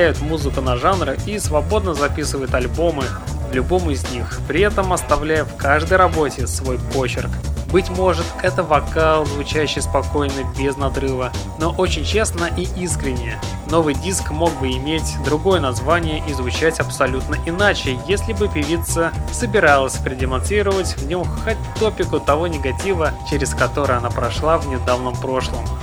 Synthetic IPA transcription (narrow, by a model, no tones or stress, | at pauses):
æjʊt̪muzɨkʊnɐʐanɾɨʔisvɐbo̞d̪̚nəzɐpʲisɨvəjʊt̪ɐlʲbo̞mɨ | vlʲʊbo̞mɪzʲnʲixpɾʲɪɛt̪əmɐst̪ɐvlʲæjəfkaʐd̪əjɾɐbo̞tʲɪsvo̞jpo̞t͡ɕɪrkbɨtʲmo̞ʐɨt̪ɛt̪əvɐkalˠzvʊt͡ɕæɕːɪjspɐko̞jnəbʲɪznɐd̪ɾɨvə | no̞ʔo̞t͡ɕɪnʲt͡ɕe̞snəʔiʔiskɾʲɪnʲːɪjə | no̞vɨjdʲiskmo̞ɡ̚bɨɪmʲetʲd̪ɾʊɡo̞jənɐzvanʲɪjəʔizvʊt͡ɕætʲɐpsɐlʲut̪nəʔɪnat͡ɕɪjesʲlʲɪbɨpʲɪvʲit̪səsəbʲɪɾalˠəsʲpɾʲɪdʲɪmɐnsɾʲiɾəvətʲvnʲo̞mxat̚ʲt̪o̞pʲɪkʊt̪ɐvo̞nʲɪɡɐtʲivət͡ɕɪɾʲɪskɐt̪o̞ɾɨjɐnapɾɐʂlˠavnʲɪd̪avnəmpɾo̞ʂlˠəm